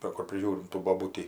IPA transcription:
ʋɐ ˈkʊr pʲrʲɪˈʒʲuːrʲɪm tuː boːˈbuːtʲiː

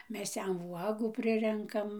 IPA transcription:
ˈmʲɛs ˈjɛm ˈʋuɔɡuː ˈpʲrʲɪrʲɛŋkɐm

